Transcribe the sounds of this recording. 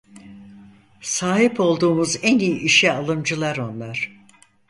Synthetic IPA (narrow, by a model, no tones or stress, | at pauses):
saːɦhipʰo̞lˠd̪uːmuzænijiʔiʃɛalˠɯmd͡ʒɯlˠaɾo̞nlˠaɾ̥